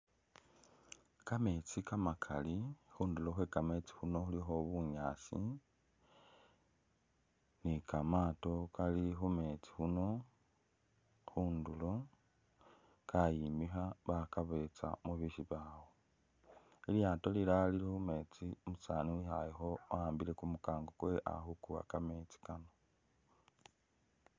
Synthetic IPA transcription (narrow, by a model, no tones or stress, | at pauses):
kame̞t͡sikamakʰalixuːndulo̞xwekame̞t͡si̥xuno̞xulixo̞βuɲaːsi | nikamaːto̞kalixume̞t͡si̥xuno̞ | xuːndulo̞ | kʰajimixaβakaβe̞t͡sa̰muβiʃiβawo | iljaːto̞liɾalilixume̞t͡simusaːnuixajixo̞aːmbiɾe̞kumukaːŋɡokwe̞ʔa̰xukua̰kame̞ːt͡si̥kano